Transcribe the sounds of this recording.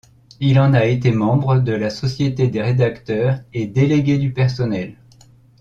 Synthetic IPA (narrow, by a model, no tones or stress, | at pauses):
ilɑ̃naet̪emɑ̃bʁəd̪əlasɔsjet̪ed̪eʁed̪akt̪œʁed̪eleɡʲed̪ypɛʁsɔnɛl